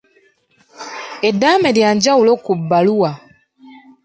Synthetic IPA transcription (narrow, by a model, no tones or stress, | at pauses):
edːaːmeljaːɲɟawulo̞kubːaluwa